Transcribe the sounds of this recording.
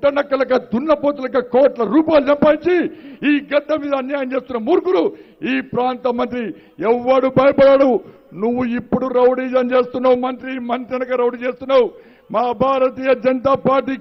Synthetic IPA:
ʈɐnɐkːɐlɐkɐd̪unːɐpoːt̪ulɐkɐkoːʈlɐɾuːpaːjlud͡ʒɐmpɐːiɲt͡ʃiiːɡɐd̪ːɐmiːd̪ɐnjaːjɐmt͡ʃe̞ːst̪unːɐmuɾkuɽu | iːpɾaːnt̪ɐmɐnt̪̬ɾi | ɛʋːɐɽubʱɐjɐpɐɽaːɽu | nuʋːuipːuɽuɾɐwɽiːd͡ʒɐnt͡ʃeːst̪unːaumɐnt̪ɾimɐnt̪ɾɐnɐkɐɾɐwɖit͡ʃeːst̪unːaːu | maːbʱaːɾɐt̪iːjɐd͡ʒɐnɐt̪aːpaːɾʈ̬iː

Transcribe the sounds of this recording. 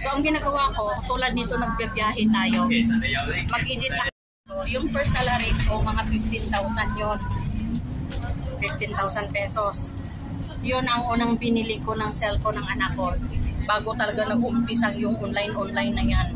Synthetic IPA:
so̞ʔɐŋɡɪnaːɡɐwako̞t̪uːlɐd̪nit̪o̞nɐɡ̚bɐbjaːɦɛt̪aːjo̞ | mɐɡiːnɪt̪nɐka | nojʊŋpɛɾsalaɾioŋmɐŋafɪft̪ɪnt̪awsɐnɲo | fɪft̪ɪnt̪awsɐnd̪̚pɛːso̞s | jonʔɐŋʔuːnɐŋbɪnilɪkonɐŋsɛlfonɐŋʔɐnakːo̞baːɡo̞t̪ɐlɐɡanɐɡ̚ʔʊmpisɐŋjʊŋʔonlajnʔonlajnːɐjan

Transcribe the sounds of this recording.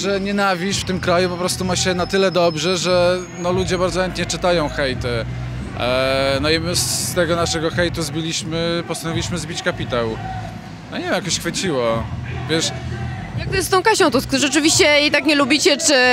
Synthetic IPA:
ʐɛɲɛnavʲiʂft̪ɘmkɾajupɔpɾɔst̪umaɕɛnat̪ɘlɛd̪ɔbʐɛʐɛ | nɔlud͡ʑɛbaɾd̪zɔxɛnt̪̚ɲɛt͡ʂɘt̪ajɔ̃w̃xɛjt̪ɛ | nɔimɘst̪ɛɡɔnaʂɛɡɔxɛjt̪uzbʲilʲiɕmɘpɔst̪anɔvʲiliɕmɘzbʲit͡ɕkapʲit̪aw | nɔɲɛvmjakɔɕxfɘt͡ɕiwɔvʲjɛʂ | jak̚t̪ɔjɛst̪ɔ̃w̃kaɕɔ̃w̃t̪uskt̪uɛt͡ʂɨvʲiɕt͡ɕɛjejt̪akɲɛlubʲit͡ɕɛt͡ʂɘ

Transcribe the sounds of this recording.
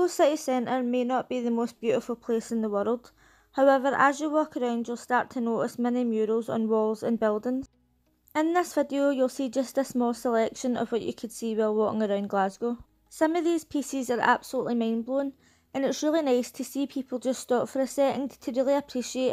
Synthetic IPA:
osɪʔɪsɛ̃nʔə˞menəʔb̥iðəmosb̥jʉʔɪfəl̩ˠpʰl̥esɪ̃nðəwɜ˞lˠd̥ | haʊɛvə˞ʔə̰zjəwɔkəɹãʊ̃nd͡ʒjulˠstaɹtʰənoʔɪsmɛnɪmjʉɹəz̰̃n̩wɔlˠzə̰̃nbɪlˠdɪ̃ŋz̥ | ɪ̃nðɪsv̥ɪdiojulˠsid͡ʒʌstəsmɔlˠsəlˠɛkʃə̃nə̰v̥wɔt͡ʃə̰kʰəd̥siwɛɪlˠwɔʔɪ̰̃ŋəɹãʊ̃nɡlˠazɡo | sʌ̃məvðiz̥pʰisɪzə˞ʔa̰b̥səl̩ˠuʔlˠimãɪ̃nblˠõn | ə̃nɪtsɹilˠinaɪstʰəsipʰipʰl̩ˠd͡ʒʌststɔpfə˞əsɛʔɪ̃ŋtʰəɹilˠiəpʰɹ̥iʃieʔ

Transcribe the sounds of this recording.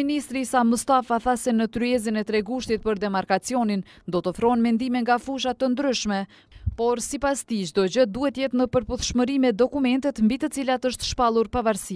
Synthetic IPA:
inist̪ɾisamust̪afaθasɛnət̪ɾyɛz̬inɛt̪ɾɛɡuʃt̪it̪̚pəɾd̪ɛmaɾkat͡siɔnin | d̪ɔt̪ɔfɾɔnmɛnd̪imɛŋɡafuʃ̬at̪ənd̪ɾyʃmɛ | pɔɾsipast̪id͡ʒd̪ɔd͡ʑəd̪uhɛt̪əjɛt̪nəpəɾpuθʃməɾimɛd̪ɔkumɛnt̪ɛt̪mbit̪ət͡silat̪əʃt̪ʃpalˠuɾpavaɾsi

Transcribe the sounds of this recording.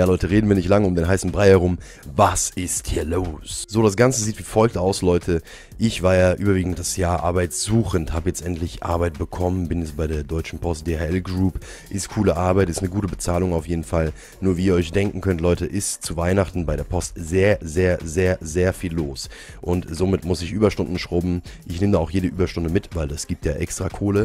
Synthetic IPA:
jaːlɔʏtəʁeːdn̩viːɐnɪçtlaŋəʊmdeːnɦaɪsn̩bʁaɪhɛʁʊm | vasɪsthiːɐloːsz̥oːɾasɡ̥ant͡səziːtv̥iːfɔlk̚taʊslɔʏtʰə | ʔɪçv̥aːɐjaːʔyːbɐviːɡŋ̩t̚d̥asjaːɐʔa̰ɐbaɪtz̥uːxənthaːbəjɛt͡stʔɛntʰlɪçʔa̰ɐbaɪt̚b̥əkʰɔmənbɪnjɛt͡sb̥aɪɾeːɐdɔʏt͡ʃn̩pʰɔst̚d̥eːhaɛlɡʁuːp | ʔɪstkʰuːləʔaɐbaɪtɛstnəɡuːtəbət͡saːlʊŋaʊfjeːdn̩fal | nuːɐviːiːɐɔʏçd̥ɛŋkŋ̩kʰœntlɔʏtəʔɪstt͡suvaɪnaχtn̩baɪɾeːɐpʰɔstz̥eːɐzeːɐzeːɐzeːɐfiːlːoːs | ʔʊntz̥oːmɪtmʊsɪçʔyːbɐʃtʊndn̩ʃʁ̥ʊbm̩ʔɪçneːmədaaʊxjeːdəʔyːbɐʃtʊndəmɪtv̥aɪldasɡ̥iːp̚tjaːʔɛkstʁ̥aːkʰoːlə

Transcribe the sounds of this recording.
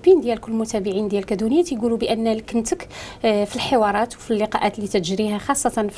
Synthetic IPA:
bind̪jælkʊlːmʊt̪æbəʕind̪jælkæd̪unəjæt̪jɡulubəʔənːælkənt̪əkfilħewɑɾˤɑt̪wfilːiqɑʔæt̪lit̪ət̪ʒɾihæxɑsˤːɑt̪ɑnf

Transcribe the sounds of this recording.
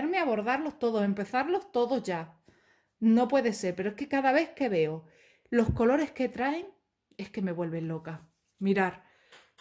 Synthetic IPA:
eɾmeaβ̞o̞ɾðaɾlo̞ht̪o̞ðose̞mpe̞θaɾlo̞ht̪o̞ðo̞zʝa | no̞pwe̞ðese̞ɾpeɾoekekaðaβ̞e̞θke̞βe̞o | lohko̞lo̞ɾe̞hke̞t̪ɾaeŋ | e̞hke̞me̞βwe̞lβe̞nlo̞ka | miɾaɾ

